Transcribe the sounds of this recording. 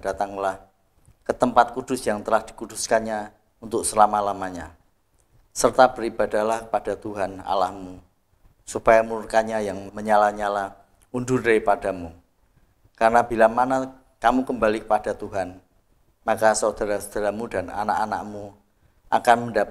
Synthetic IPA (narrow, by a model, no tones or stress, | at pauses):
d̥at̪aŋlah | kət̪əmpat̪̚kud̥ʊsjaŋt̪əlahd̥i̥kud̥ʊskanɲa | unt̪ʊksəlamalamaɲa | sərt̪ab̥əɾib̥adahlahkəpad̥at̪uɦana̰lahmu | supajamurkaɲajaŋməɲalaɲalah | undʊrepadamu | karənabilamana | kamukəmbalikəpad̥at̪uɦan | makasod̥aɾasod̥aɾamudana̰na̰ʔana̰ʔmu | ʔa̰kanməndap